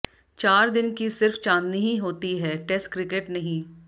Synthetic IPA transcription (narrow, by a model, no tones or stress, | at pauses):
t͡ʃaːɾd̪ɪnkisɪɾft͡ʃãːnd̪niɦĩɦoːt̪iɦɛːʈɛsʈkɾɪkeʈnɐɦĩː